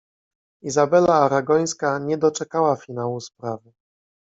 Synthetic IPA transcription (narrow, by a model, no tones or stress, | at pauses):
izabɛlaːɾaɡɔj̃skaɲɛd̪ɔt͡ʂɛkawafʲinawuspɾavɘ